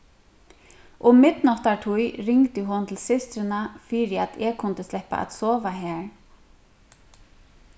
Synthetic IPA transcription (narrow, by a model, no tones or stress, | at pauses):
ʔʊmɪt̪nɔht̪aɹt̪ʰujɾɪŋt̪ɪɦʊnt̪ʰɪlsɪst̪ɾɪnafɪɾɪat̪ʰɛkʰʊnt̪ɪst̪lɛhpa̰a̰t̪sɔːvaɦæːɹ